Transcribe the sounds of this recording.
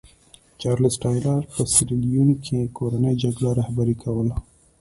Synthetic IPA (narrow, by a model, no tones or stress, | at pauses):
t͡ʃɑɾlɪsʈɑjlaɾpəsɪɾilijunkʰekoɾanəjd͡ʒaɡɽaɾɑhbaɾikʰawəla